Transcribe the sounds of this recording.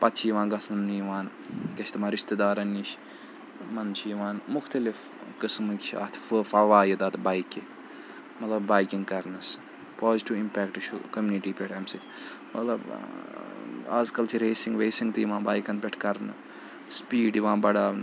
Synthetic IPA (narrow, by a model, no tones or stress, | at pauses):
pɐt̪ːt͡ʃʰijʋãːnɡɐsɐnijʋaːn | kɐt͡ʃʰt̪mãːɾiʃt̪ed̪aːɾɐniʃ | mɐnt͡ʃʰijʋaːnmʊxt̪ɐlif | kɨsmɨkʲʃʰa̰ːt̪ʰfəːfɐʋaːjid̪aːt̪ʰbaːjke | mɐt̪lɐbbaːjkiŋɡkɐɾnɐs | poːziʈiʋimpʲɛːkʈʃukɐmjuniʈiːpʲɛʈʰɐmsɐt̪ʰ | mɐt̪lɐb | a̰ːzkɐlt͡ʃʰiɾeːsiŋɡʋeːsiŋɡt̪ijiʋãːbaːjkɐnpʲeʈʰkɐɾnɨ | spiːɖiʋãːbɐɽaːn